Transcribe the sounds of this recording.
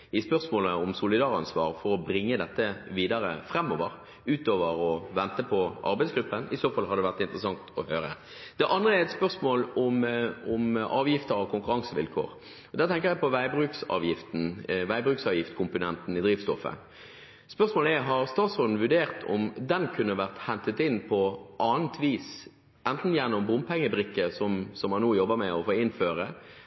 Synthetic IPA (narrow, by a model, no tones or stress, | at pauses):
ɪspœʁsmoːləɔmsʊlɪd̪ɑːʁɑnsʋɑ̰ːʁfɔɾɔbɾɪŋːəd̪ɛt̪ːəʋiːd̪ɑʁə̰fʁɛmːoːʋəʁ | ʉːt̪oːʋəʁɔʋɛnt̪əpʰɔʔɑ̰ʁbɛɪsɡɾʉpːənɪsoːfɑlːhɑd̪d̪ɛʋæʁt̪ɪnt̪ʁəsɑŋt̪ʰɔhøːɾə̰ | d̪̥ɛʔɑnd̪ʁəɛɾɛt̪spœʁsmoːlɔmʊmʔɑːʋjɪft̪əɾɑʋkʰʊŋkʉɾɑŋsəʋɪ̰lkʰo̰ːʁ | ɔd̪æʁt̪ʰɛŋkəʁjæpʰɔʋæɪbʁʉːksɑ̰ːʋjɪft̪n̩ʋæɪbɾʉːksɑːʋjɪft̪kʰʊmpʊnɛnt̪n̩ɪd̪ɾiːʋst̪ɔfːə̰ | spœʁsmoːləæɦɑɾst̪ɑːsɔd̪n̩ʋʉɾɖeːʁt̪ʰɔ̰md̪ɛnkʰʉnːəʋæʁt̪hɛnt̪ət̪ɪnpʰɔʔɑːnt̪ʰʋiːs | ʔɛnt̪n̩jænːʊmbʊmpʰɛŋːəbɾɪkːəsɔmsɔmhɑnːoːjɔbːəmɛɔfoːɪnføːɾə